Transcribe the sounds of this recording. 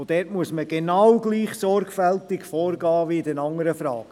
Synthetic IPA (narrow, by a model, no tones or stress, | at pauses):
od̥ɛːtmuəsməɡ̥enɑwɡliːχsɔɾkfɛltɪɡfɔːɾɡɑːʋiɪdɛnɑŋːəɾəfɾɑːɡ